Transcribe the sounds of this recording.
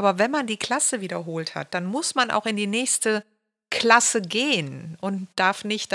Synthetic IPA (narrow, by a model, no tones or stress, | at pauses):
ʔaːbɐvɛnmandiːkl̥asəviːdɐɦoːltha̰t̚d̥anmʊsmanʔa̰ʊxɪndiːnɛːçstə | kʰl̥asəɡeːənʔʊntd̥aɐfnɪçt